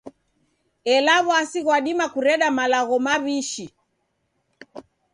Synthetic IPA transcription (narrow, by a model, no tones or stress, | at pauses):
ɛlaβɔasiɣwaɗimakuɾɛɗamalaɣɔmaβiʃi